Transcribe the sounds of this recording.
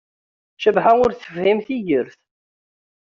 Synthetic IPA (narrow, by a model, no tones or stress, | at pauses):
ʃəbħaʊɾθə̥fhimθijəɾθ